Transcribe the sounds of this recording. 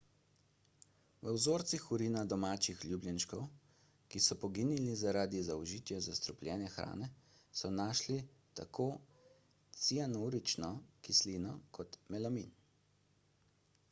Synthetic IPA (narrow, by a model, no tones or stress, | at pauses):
ʋəwzoːɾt̪sixuɾinad̪ɔmaːt͡ʃixlʲjuːbljɛnʃkɔw | kisɔpɔɡinilizaɾaːd̪izaɔʒiːt̪jɛzast̪ɾɔpljɛːnjɛxɾa̰ːnɛ | sɔnaːʃlit̪a̰kʰoː | t̪sianuɾit͡ʃnɔkisliːnɔkʰɔt̪mɛlamin